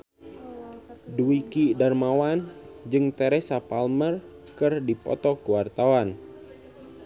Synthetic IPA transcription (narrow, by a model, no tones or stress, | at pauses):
duikidarmawand͡ʒɨŋt̪ɛɾesapalmər | kɨrdipɔ̰t̪ɔkuwart̪awan